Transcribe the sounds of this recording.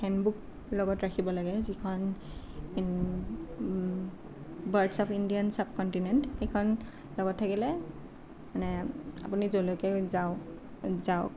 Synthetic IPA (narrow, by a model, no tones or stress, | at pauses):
hɛnbuk | lɔɡɔtɹakʰibɔlaɡɛzikʰɔn | baɹdsɔpʰindiansab̚kɔntinɛntxejkʰɔn | lɔɡɔtʰːakilɛ | manɛa̰punizolokɛza | zaʊk